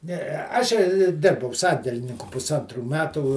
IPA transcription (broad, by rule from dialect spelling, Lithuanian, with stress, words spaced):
ˈnʲɛɛ ˈɑːʃʲɛɪ ˈdʲɪrbɐʊ ˈsɐnʲdʲɛlʲɪnʲɪŋkʊ pʊsˈɐntruː ˈmʲæːtuː